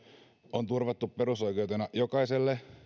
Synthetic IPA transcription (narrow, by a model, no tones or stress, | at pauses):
ont̪urʋɑt̪ːupperuso̞ikeut̪enɑjokɑiselːe